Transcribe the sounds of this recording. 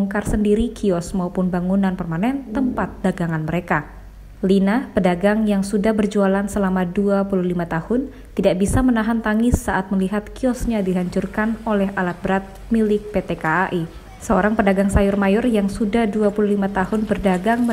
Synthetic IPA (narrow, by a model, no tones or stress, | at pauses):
ŋkarsəndiɾikʰiɔsmaupʊnbaŋunanpərmanɛnt̪əmpat̪̚d̥aɡaŋanməɾeka | linapədaɡaŋjaŋsudahbərd͡ʒualansəlamaduapuluhlimat̪ahʊn | t̪idaʔbisamənaɦant̪aŋɪsːaʔat̪̚məliɦat̪̚kiɔsɲadiɦaɲt͡ʃurkanolɛɦalat̪̚bəɾat̪̚ | milɪk̚pet̪ekaːʔi | səoɾaŋpədaɡaŋsajʊrmajɔrjaŋsudahduapululimat̪ahʊnbərdaɡaŋ